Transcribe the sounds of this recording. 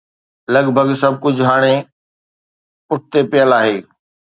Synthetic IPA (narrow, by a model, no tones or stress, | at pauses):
lɐɡbʱəɡsɐb̚ʱkʊd͡ʑʱɦaːɽ̃e | pʊʈ̚ʰt̪epɪjəlaːɦeː